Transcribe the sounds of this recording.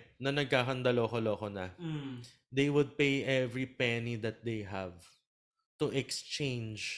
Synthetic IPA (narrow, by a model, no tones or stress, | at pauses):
nɐnɐɡ̚kaːkɐnd̪ɐloɐkoloɐkonɐ̰ | d̪ejwʊd̪̚pejʔɛvɹipɛnid̪ɐt̪̚d̪ejɦɐv | t̪ʊʔɛkst͡ʃẽjnd͡ʒ